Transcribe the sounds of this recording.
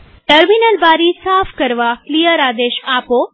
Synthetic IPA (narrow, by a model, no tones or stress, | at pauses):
ʈəɾminəlbaɾisafʰkəɾʋaklijəɾad̪eʃapo